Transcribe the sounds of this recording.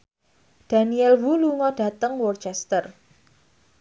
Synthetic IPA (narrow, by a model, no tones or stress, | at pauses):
d̥a̤niɛlwuluŋɔd̥ä̤t̪əŋwɔrt͡ʃɛst̪ər